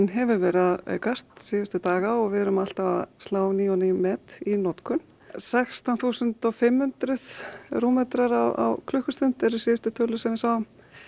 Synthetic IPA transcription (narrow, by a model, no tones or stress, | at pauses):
nɦɛvʏɾvɛːɾaðkar̥t̪sɪːðʏst̪ʏt̪aːɣaɔɣvɛðɛɾʏmal̥t̪ava̰stlaːwniɔnimɛːt̪inɔt̪kʰʏn | sɛkst̪awnθuːsʏnt̪ɔfɪmhʏnt̪ɾʏðruːmɛt̪ɾaɾawa̰wkʰlʏhkʏst̪ʏn̥t̪ɛɾʏsɪːðʏst̪ʏt̪ʰœlʏsɛmvɪsaːwʏm